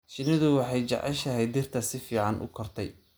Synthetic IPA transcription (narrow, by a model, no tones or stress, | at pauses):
ʃɪnɪðʊwɑħɑjt͡ʃɑ̰ʕɛ̰ʃɐɦɛjd̪ɪrt̪ʰɐsɪfiːʕɑnʔʊ̰kʰɔrt̪ʰɛj